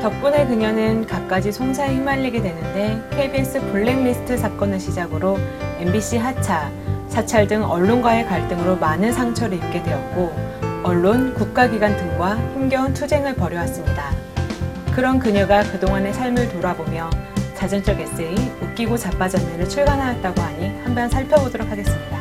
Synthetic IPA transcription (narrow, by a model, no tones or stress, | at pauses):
tʌp̚p͈une̞kɯɲʌnɯnkap̚k͈ad͡ʑisʰoŋsʰaehimanːiɡe̞dwe̞nɯnde̞kʰebies͈ɯpʰuɭːe̞ŋnisʰɯ̥tʰɯsʰak͈ʌnɯɕʰid͡ʑaɡɯɾoe̞mbiɕ͈ʰiɦat͡ɕʰa | sʰat͡ɕʰaɭdɯŋʌɭːonɡwae̞kaɭt͈ɯŋɯɾomanɯnsʰaŋt͡ɕʰʌɾɯip̚k͈e̞dwe̞ʌt̚k͈oʌɭːonkuk̚k͈aɡiɡwantɯŋɡwapʰoŋɡjʌuntʰud͡ʑe̞ŋɯɭpʌɾjʌwas͈ɯmɲida | kɯɾʌnkɯɲʌɡakɯdoŋɦane̞sʰaɭmɯɭtoɾabomjʌt͡ɕad͡ʑʌnt͡ɕ͈ʌɡe̞s͈e̞iuk̚k͈iɡot͡ɕap͈ad͡ʑʌnːeɾɯɭt͡ɕʰuɭɡanɦajʌt̚t͈aɡoaɲihampʰjʌnsʰaɭpʰjʌbodoɾokʰaɡes͈ɯmɲida